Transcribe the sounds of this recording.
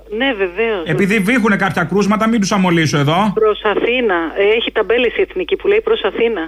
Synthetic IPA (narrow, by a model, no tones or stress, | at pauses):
ne̞ve̞ve̞ose̞piðivixune̞kɐpçɐkɾuzmɐt̪ɐmind̪usɐmo̞lisoe̞ðo̞pɾosɐθinɐeçit̪ɐbe̞lesie̞θnicipuleipɾo̞sɐθinɐ